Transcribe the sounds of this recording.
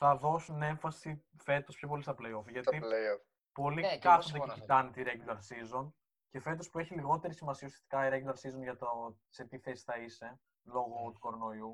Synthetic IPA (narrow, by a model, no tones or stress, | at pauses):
θɐðo̞sune̞ɱfɐsife̞t̪o̞spçop̬o̞list̪ɐplejofʝɐt̪ileof | po̞likɐsod̪eit̪ɐnet̪iɾeɡilɐɾsizo̞n | ce̞fe̞t̪o̞spue̞çiliɣo̞t̪e̞ɾisimɐsiɐusijɐ̥st̪ikɐiɾeɡilɐɾsizo̞nʝɐt̪o | se̞t̪iθe̞si̥θɐise̞ | lo̞ɣo̞t̪uko̞ɾo̞no̞iu